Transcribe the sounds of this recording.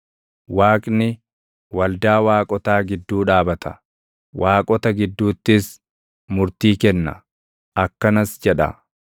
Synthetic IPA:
waːkʼnɪ | wɐld̪aːwaːkʼɔt̪aːɡɪd̪ːuːᶑaːbɐt̪ʰɐ̥ | wʔaːkʼɔt̪ɐɡɪd̪ːuːt̪ːɪs | mʊɾt̪iːkɛnːɐ̰ | ʔɐkːɐnɐsd͡ʒɛᶑɐ̰

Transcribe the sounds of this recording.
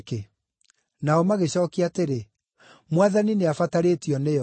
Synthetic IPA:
ke | naɔmaɣeɕɔːkiateɾe | mwaðanineafataɾetiɔnejɔ

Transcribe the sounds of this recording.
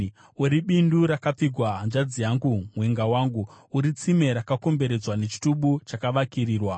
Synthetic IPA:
uɾiɓinduɾakap͡fiɡʱwand͡ʒad͡zijaŋɡumweŋɡawaːŋɡu | uɾit͡sime̞ɾakako̞mbe̞ɾe̞d͡zwane̞t͡ʃi̥tuɓut͡ʃakaʋakiriːrwa

